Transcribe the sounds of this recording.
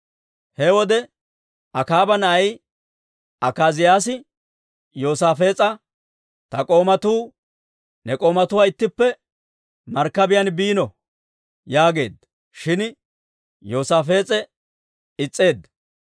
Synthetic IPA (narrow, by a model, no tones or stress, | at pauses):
hɛwɔd̪ɛ | ɐkaːbɐnɐɐj | ɐkaːzɪjaːs̬ɪ | joːsaːfe̞ːt͡sʼɐ | t̪ɐkʼo̞ːmɐt̪uː | nɛkʼo̞ːmɐt̪ʊwaːɪt̪ːɪpːɛ | mɐɾkːɐbɪjɐnbiːnɔ | jaːɡe̞̰ːd̪ | ʃɪn | jo̞ːsaːfe̞ːt͡sʼɛ | ɪt͡sʼːe̞ːd̪